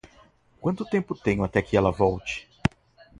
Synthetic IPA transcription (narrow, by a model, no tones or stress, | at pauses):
kwɐ̃nt̪ʊt̪ẽmpʊt̪ẽɲʊat̪ɛkɪɛlɐvɔwt͡ʃɪ̥